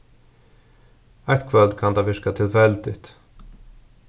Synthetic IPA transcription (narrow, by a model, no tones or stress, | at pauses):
æɪt̪kʰvœld̪kʰɑnd̪ɑːʋɪɾkat̪ʰɪlfɛld̪ɪ̰t̪